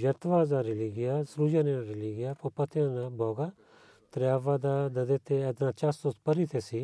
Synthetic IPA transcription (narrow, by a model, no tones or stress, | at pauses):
jɐt̪ʋaːzaːɾɪliɡɪjaːsɾuːd͡ʒaneãɾɪliːɡɪjaːpopɐt̪ʰjãːnabʱɔːɡaː | t̪ɾjaːʋaːd̪aːd̪ɐd̪eːt̪ʰeɛd̪nãːt͡ʃast̪õpəɾiːt̪ʰeːsiː